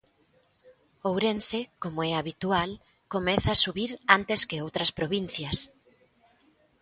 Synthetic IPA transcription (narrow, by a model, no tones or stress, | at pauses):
owɾensekomoɛaβit̪ual | komɛθaːsuβiɾant̪eskɪowt̪ɾɐspɾoβin̟θjɐs